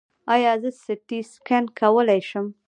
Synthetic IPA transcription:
ɑjɑzəsɪtiskankʰawəlajʃəm

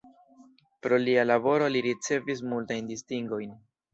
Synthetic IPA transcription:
pɾo̞lialabo̞ɾo̞liɾit͡se̞vis̬multajndistiŋɡo̞jn

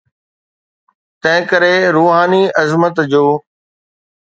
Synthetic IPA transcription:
t̪ɐ̃ɦɪ̃kəɾeɾuːɦaːniʔɐzmət̪d͡ʑoː

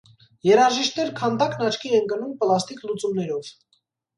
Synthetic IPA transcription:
jɛɾɑʒiʃt̪nɛɾkʰɑnd̪ɑknɑt͡ʃʰkʰiɛnkənumpəlɑst̪iklut͡sumnɛɾɔv̥

